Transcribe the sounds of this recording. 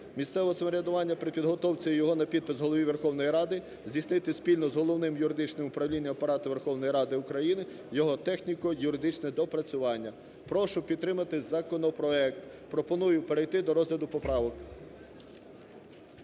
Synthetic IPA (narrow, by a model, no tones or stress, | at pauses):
mʲist̪sɛʋɔɔsɐmɔɾʲɐd̪ʊʋɑnʲːɐpɾɪpʲid̪ɦɔt̪ɔwt͡sʲɐjɔɦɔnɐpʲid̪̚pɪzɦɔlˠɔʋʲiʋerxɔwnɔjiɾɑd̪ɪ | zʲdʲisnɪt̪ɪspʲilʲnɔzɦɔlˠɔwnɪmjʊɾɪd̪ɪt͡ʃnɪmʊpɾɐwlʲinʲːɐmpɐɾɑt̪ʊʋe̞rxɔwnɔjiɾɑd̪ɪʊkɾɐjinɪ | jɔɦɔt̪ɛxnʲikɔjʊɾɪd̪ɪt͡ʃnɛd̪ɔpɾɐt͡sʲʊʋɑnʲːɐ | pɾɔʃʊpʲid̪t̪ːɾɪmɐt̪ɪzɐkɔnɔpɾɔɛk̚t̪ | pɾɔpɔnujʊpeɾejt̪ɪd̪ɔɾɔzɦlʲɐd̪ʊpɔpɾɑʋɔk